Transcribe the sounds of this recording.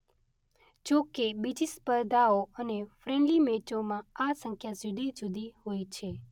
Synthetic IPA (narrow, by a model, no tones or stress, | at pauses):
d͡ʒokebid͡ʒispəɾd̪ʱaoənefɾɛ̃ɳɖlimet͡ʃomãasə̃ŋkʰjazid̪id͡ʒud̪ʱiɦojt͡ʃʰe